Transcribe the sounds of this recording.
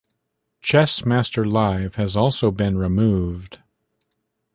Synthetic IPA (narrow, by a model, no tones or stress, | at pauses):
t͡ʃʰɛsmæstə˞laɪv̥ɨzɔlˠsoʊbɨ̃nɹɨmuvd̥